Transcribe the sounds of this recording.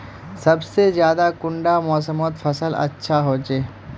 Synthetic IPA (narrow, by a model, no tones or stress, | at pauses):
sɐbsezjaːd̪akʊ̃ɳɖamɔːsəmɔːt̪fʰɐsəlɐ̰tːʃʰaɦoːt͡ʃeː